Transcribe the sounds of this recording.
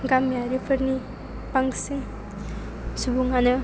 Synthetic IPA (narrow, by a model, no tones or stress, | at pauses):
ɡamjaɾipʰɯɾni | paŋsɯŋ | subuŋanɯ